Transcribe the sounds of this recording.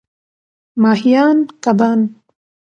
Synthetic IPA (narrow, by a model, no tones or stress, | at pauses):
mɑːhijɑːnkabaːn